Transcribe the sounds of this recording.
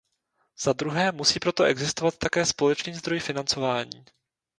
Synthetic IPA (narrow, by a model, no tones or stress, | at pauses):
z̥ad̪ɾuɦɛːmusiːpɾo̞t̪o̞ʔɛɡzɪst̪o̞vat̪ːakɛːspo̞lɛt͡ʃniːzd̪ɾo̞jfɪnant͡so̞vaːɲiː